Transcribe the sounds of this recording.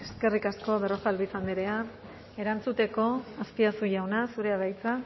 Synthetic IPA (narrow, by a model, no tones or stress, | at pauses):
e̞ske̞rikasko̞βe̞rofalβisand̪iɾea | e̞ɾant͡sut̪e̞ko̞aspiasuʝawnasuɾe̞aβajt͡sa